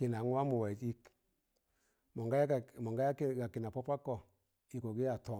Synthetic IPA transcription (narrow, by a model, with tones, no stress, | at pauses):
ki˨na˨˦ŋ˦wa˦mu˨wa˨ti˦k | mɔ˨ŋɡa˦˨mɔ˨ŋɡa˦a˦kɡa˨ki˨na˨pɔ˦pa˦kɔ˨ | i˨ko˨ɡi˦a˨tɔ˦˨